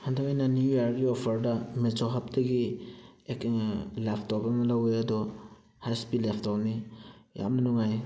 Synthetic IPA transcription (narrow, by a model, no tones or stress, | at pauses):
handakajnanjujaɾɡiɔpʰəɾdamet͡ʃoɦap̚dɐɡiekŋlapʰtɔpbamalawejadɔ | hajspilepʰtɔpnija̰mnanɔŋaj